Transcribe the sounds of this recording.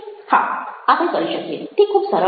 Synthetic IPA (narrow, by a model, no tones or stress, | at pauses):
hã̰apəñkəɾiɕəkiḛt̪ikʰuːbsəɾə